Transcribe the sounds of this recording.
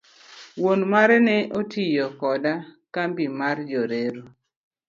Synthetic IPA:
wonmaɾɛnɛʔotijɔkɔdakambimard͡ʒoɾeɾo

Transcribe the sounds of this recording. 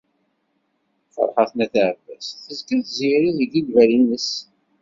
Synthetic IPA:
fə̰ɾˤħɑθnæθaʕəvæsθəzkəθziɾiðəɡiɡvæɾinəs

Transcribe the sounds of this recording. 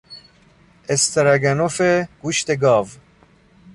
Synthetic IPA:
est̪eɾaɡænofeɡ̥uʃt̪eɡɑːv

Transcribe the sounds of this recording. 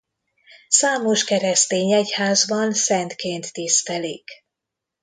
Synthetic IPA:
saːmo̞ʃkɛɾɛst̪eːɲɛchaːzbɒnsɛnt̪keːnt̪ːist̪ɛlik

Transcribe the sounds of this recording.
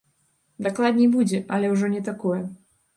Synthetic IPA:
d̪aklˠad̪ʲnʲejbud͡zʲɛʔɐlʲɛwʐɔnʲɛt̪akɔjɛ

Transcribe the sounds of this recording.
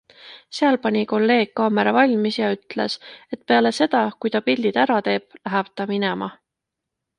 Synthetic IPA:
seɑlpɑnʲiko̞lːe̞ːɡ̥̚kɑːme̞ɾɑvɑlʲmisjɑyt̪ˑle̞se̞t̪pe̞ɑle̞se̞d̪̥ɑkujt̪ɑpilʲd̪̥id̪̥æɾɑt̪e̞ːb̥læɦæb̥t̪ɑminemɑ̰

